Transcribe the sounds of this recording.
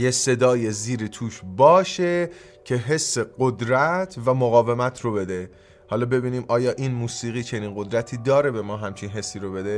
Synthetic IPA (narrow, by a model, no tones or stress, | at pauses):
jese̞d̪ɒːjeziːɾit̪ʰuːʃbɒːʃe̞ | cʰe̞ɦe̞sːe̞ɢod̪ɾæt̪ʰvæmoɣɒːve̞mæt̪ʰrobe̞d̪e | hɒːlɒːbe̞biːniːmʔɒːjɒːʔiːnmuːsiːɣiːt͡ʃʰe̞niːnɢo̞d̪ɾæt̪ʰiːd̪ɒːɾe̞be̞mɒːɦæmt͡ʃʰinɦe̞sːiːɾobe̞d̪e̞